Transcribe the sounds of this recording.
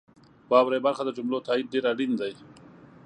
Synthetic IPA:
wɑwɾajbaɾxad̪əd͡ʒʊmlot̪ɑːid̪̚ɖeɾaɽind̪aj

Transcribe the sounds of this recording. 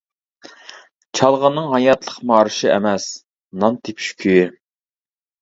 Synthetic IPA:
t͡ʃʰɑlˠʁɑnːɨŋɦɑjɑt̪lˠəqmɑːɾɨʃiɛ̰mɛs | nɑnt̪ʰɪpʃy̥kʲʰyj

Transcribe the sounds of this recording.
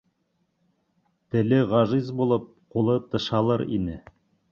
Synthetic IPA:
t̪ɘ̆lɘʁɑʒizbulˠɤp̚qulˠɤt̪ɤ̆ʃɑlˠɤɾḭnɘ

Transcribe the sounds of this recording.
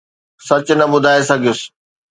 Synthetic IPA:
sɐt͡ɕʊnɐbʊd̪ʱaːesɐɡʱijʊsɪ̥̆

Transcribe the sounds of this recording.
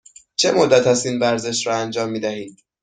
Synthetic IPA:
t͡ʃʰe̞mod̪ːæt̪hæst̪iːnvæɾze̞ʃɾɒːænd͡ʒɒːmːiːd̪æɦiːd̪

